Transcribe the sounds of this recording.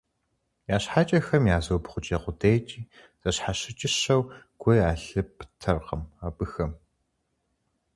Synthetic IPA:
jaːɕħat͡ʃʼɐxɐmjaːzoːbχʷʊt͡ʃʼeːqʷʊdeːt͡ʃʼiː | z̥ɐɕħaɕɪt͡ʃʼɪɕɐw | ɡ̥ʷojaːɬɨpʰtʰɐrqə̰maːbɨxɐm

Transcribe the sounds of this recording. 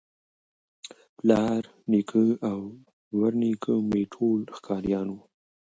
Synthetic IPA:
plɑːɾ | nikʰəaw | waɾnikʰəmeʈʰolxkʰɑːɾjɑno

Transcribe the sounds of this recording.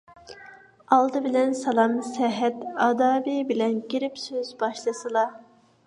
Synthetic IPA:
ɑlˠd̪ɨbilɛnsɑlˠɑmsɛɦɛt̪ɑːd̪ɑːvibilɛnɡʲiɾɪpsøzbɑʃlˠɯsɨlˠɑ

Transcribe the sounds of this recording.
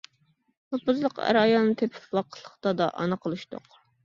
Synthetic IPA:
popʊzlˠəqæ̰ɾɑjɑlˠnɨt̪ʰepʰɪ̥pwɑqʰə̥lˠːəχt̪ɑd̪ɑ̰ʔɑ̰nɨqʰəlˠɨʃt̪ʊ̰q

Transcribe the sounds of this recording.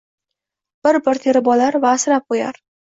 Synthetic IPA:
b̥ɪɾbɪɾt̪ʰe̞ɾɪbɒlaɾvaːsɾap̚qoja̰ɾ

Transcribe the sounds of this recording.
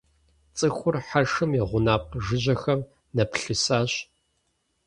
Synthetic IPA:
t͡sʼɨxʷʊrħaʂɨmjɛʁʷʊnaːp̚qʒɨʑɐxɐm | nɐpɬɨsaːɕ

